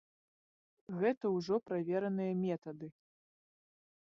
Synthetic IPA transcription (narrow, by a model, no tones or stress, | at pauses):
ɣɛt̪ɐwʐɔpɾavʲɛɾɐnɨjɐmʲɛt̪ɐd̪ɨ